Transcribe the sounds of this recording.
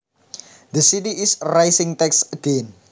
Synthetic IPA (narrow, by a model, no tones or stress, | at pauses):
d̪əsitiisrajsĩŋt̪ɛksəɡẽn